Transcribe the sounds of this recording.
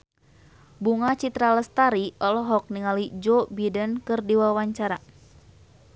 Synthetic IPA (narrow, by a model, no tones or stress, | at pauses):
buŋat͡ʃit̪ɾaləst̪aɾiʔɔlɔɦɔk̚niŋalid͡ʒɔbidənkɨrdiwawaɲt͡ʃaɾa